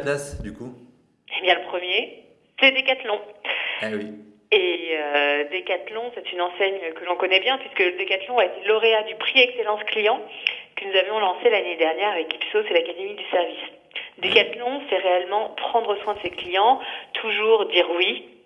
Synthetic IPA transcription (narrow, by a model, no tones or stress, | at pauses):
asd̪yku | ebjɛ̃ləpχəmje | sɛd̪ekat̪lɔ̃ | wi | eød̪ekat̪lɔ̃sɛt̪ynɑ̃sɛɲøkəlɔ̃kɔnɛbjɛ̃pɥiskəd̪ekat̪lɔ̃aet̪elɔʁead̪ypχiɛkselɑ̃sklijɑ̃kənuzavjɔ̃lɑ̃selaned̪ɛʁnjɛʁavɛki̥psosɛlakad̪emid̪ysɛʁvis | d̪ekat̪lɔ̃sɛʁeɛlmɑ̃pχɑ̃d̪ʁəswɛ̃d̪əseklijɑ̃t̪ʰuʒuʁd̪iʁwi